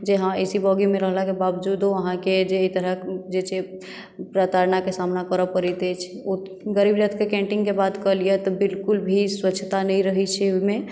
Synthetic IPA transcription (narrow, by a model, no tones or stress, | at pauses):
d͡ʒeɦãesibɔɡimẽɾəɦlakebabd͡ʒud̪ɦoəɦãked͡ʒeːit̪əɾəd͡ʒet͡ʃʰe | pɾat̪aɾnakesamnakəɾəpəɾɛt̪ɛt͡ʃʰo | ɡəɾibɾət̪ʰkekẽɳʈĩŋɡkebad̪kəliɛt̪ɔbɪlkulbʱisʋətːʃʰt̪anɛĩɾəɦit͡ʃʰɛoime